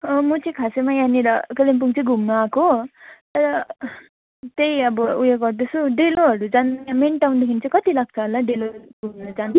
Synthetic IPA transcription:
ʌmʌt͡sʰij̃kʰasemajaneɾʌkelemp̬uŋt͡sʰʌ̃ɡʱumnʌakot̪ʌɾʌ | t̪ejʌbʌujeɡʌrd̪ʌsʰuɖeloɦʌɾud͡zanjamenʈawnd̪ekʰinit͡sʌ̃j̃kʌt̪ilaɡ̚t͡sʰʌɦʌlaɖeloɡʱumnʌd͡zan

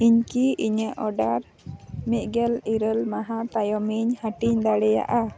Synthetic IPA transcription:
iɲkiiɲəʔɔɖaɾ | miʔ̪̚ˀɡɛliɾəlmaɦãt̪ajɔmiɲhaʈiɲd̪aɽɛja̰ʔa

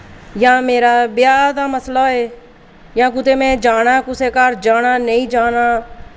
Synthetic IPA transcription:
jãːmeːɾaːbjaːd̪aːməslaːeː | jãːk̬ʊt̪eːmɛ̃ːd͡ʒaːɽ̃aːkʊseːkaːɾd͡ʒaːnaːnəĩːd͡ʒaːnaː

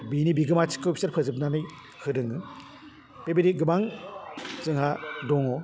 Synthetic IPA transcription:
binibiɡɯmat͡ʃʰi̥kʰːɯpʰi̥saɾpʰɯzɯp̚nanɯj | kʰɯdɯŋɯ | pebeɾiɡɯmaŋ | zɯŋɦadɔŋɔ

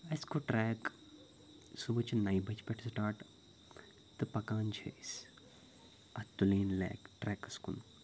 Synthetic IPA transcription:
ɐskoʈɾɛːk | subɨt͡ʃnɐjbɐt͡ʃpeʈʰsʈaːʈ | t̪ɨpɐkaːnd͡ʒʰḛis | ɐt̪uleːnlɛ̰ːkʈɾɛːkɐskṵn

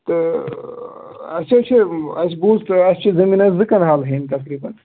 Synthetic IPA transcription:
t̪ɨ | ɐsʰet͡ʃʰiɐsbuzt̪ɐst͡ʃʰizɐminɐszɨkɐnɦaːlɦent̪ɐkɾiːbɐn

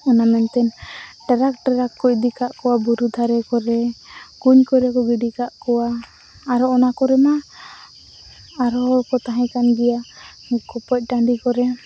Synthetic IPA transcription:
ɔnamɛnt̪ɛnʈaɾak̚ʈaɾakːɔʔd̪ikaʔkɔwabuɾud̪ʱaɾɛkɔɾɛɡuɲkɔɾɛkɔɡiɖikaʔkɔwaː | ɾɔɔnakɔɾɛma | ɾɔkɔt̪aɦɛ̃kanɡija | kɔpɔc̚ˀʈaɳɖikɔɾɛ

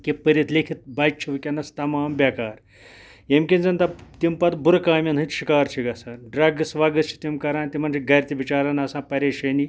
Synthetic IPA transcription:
kipəɾit̪lekʰit̪̚bɐːjt͡ʃʰiʋɐkʲɐnɐst̪ɐmaːmbʲakaːɾ | jemkʲinzɐnt̪ɐt̪impɐt̪buɾkaːmʲɐnɦɨ̃t̪ʃikaːɾt͡ʃʰiɡɐsaɖɾɐɡsʋaːɡɐst͡ʃʰi̥t̪imkɐɾaːnt̪ʲimɐnt͡ʃʰiɡɐɾʲt̪iʋit͡ʃaːɾɐnɐsãːpɐɾeːʃɐni

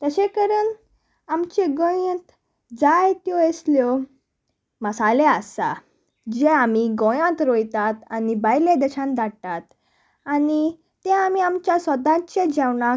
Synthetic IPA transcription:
t̪əɕekəɾən | amt͡ɕẽɡəjə̃t̪ | d͡zajt̪jɔesljɔ | məsaleasa̰ | d͡ʑeamiɡɔ̃jãt̪ɾojt̪at̪anibajled̪ɛɕãnd̪at̪at̪ | ani | t̪ẽamiamt͡ɕjasəd̪ãt͡ɕed͡ʑɛwna

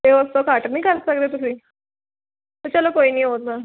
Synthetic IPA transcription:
t̪eʋəst̪okaʈəɾnikaɾsakd̪et̪usiː | t̪ut͡ɕalakoiniːɦot̪na

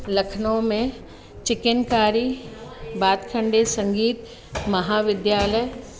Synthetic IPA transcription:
lɐkʰnõmẽ | t͡ʃɪkɪnkaːɾi | baːt̪kʰə̃ɳɖesɐ̃ŋɡiːt̪ | mɐɦaːʋɪd̪jaːləj

